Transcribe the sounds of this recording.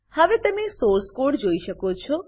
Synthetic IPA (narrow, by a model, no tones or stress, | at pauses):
habet̪emisoɾskoɖd͡ʒojʃəkot͡ʃʰo